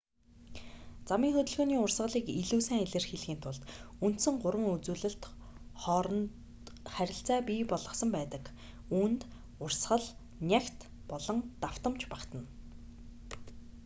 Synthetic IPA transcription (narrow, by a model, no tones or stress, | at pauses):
t͡samiːŋxɵt̪ɵ̆ɮɣoːniːʊrsʁə̆ɮiːkiɮuːsæːŋeɮɘ̆rxeɮxiːnt̪ʰʊɮt̪un̥t̪sɘ̆ŋɢʊɾwə̆ŋut͡suːɮɘ̆ɬt̪ | χɔɾ | χæɾʲɪ̆ɬt͡saːpʲiːpɔɮʁɞ̆χsə̆mpæːt̪ə̆k | uːnt̪ | ʊrsɢə̆ɮ | nʲakt̪ | pɔɮɞ̆ŋt̪aw̥t̪ə̆mt͡ɕpakt̪ə̆n